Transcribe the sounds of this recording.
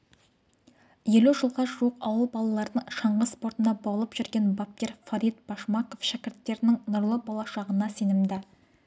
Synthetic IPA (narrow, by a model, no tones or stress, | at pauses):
je̞luʒəlˠʁɑʒuəqɑwəlˠbɑlˠɑlˠɑɾd̪əɴʃɑɴʁəspo̞ɾt̪ənd̪ɑbolˠəpʒ̥ʏɾɡʲenbap̚t̪ʲe̞ɾfaɾijt̪̚b̥ɑʃmɑko̞fʃækʲɪɾt̪ːe̞ɾɪnɪŋnʊɾlˠəbɑlˠɑʃɑʁənɑse̞nɪmd̪ɪ